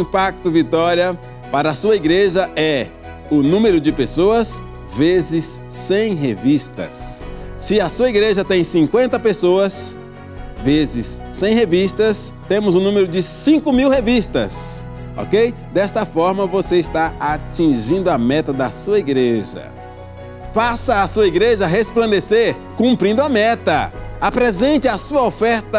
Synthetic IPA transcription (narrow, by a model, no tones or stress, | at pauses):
ĩpak̚t̪ʊvit̪ɔɾiɐ | paɾɐːsuɐiɡɾeʒɐʔɛ | ʊnũmeɾʊd͡ʒɪpesoɐs | vezɪsːẽj̃ɦevist̪ɐ̰sː | ɪɐsuɐiɡɾeʒɐt̪ẽj̃sĩŋkwẽnt̪ɐpesoɐs | vezɪsːẽj̃hevist̪ɐst̪ẽmʊzʊnũmeɾʊd͡ʒɪsĩŋkʊmiwhevist̪ɐ̰s | ɔ̰kej | d̪ɛst̪ɐfɔɾmɐvoseɪst̪aat͡ʃĩʒĩnd̪ʊɐmɛt̪ɐd̪ɐsuɐiɡɾeʒɐ̰ | fasɐːsuɐiɡɾeʒɐɦesplɐ̃nd̪eseɾ | kũmpɾĩnd̪ʊɐmɛt̪ɐapɾezẽnt͡ʃ̪ɪɐsuɐofɛɾt̪ɐ